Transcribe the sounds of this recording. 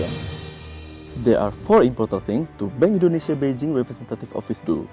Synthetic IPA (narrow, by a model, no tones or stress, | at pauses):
dɛɹʔaɹfɔɹĩmpɔɹt̪ãnt̪ɪ̃ŋst̪ubɛ̃ŋkĩndoneʃiabed͡ʒĩŋɹɛpɾɛsɛ̃nt̪at̪ifɔ̰fisdṵ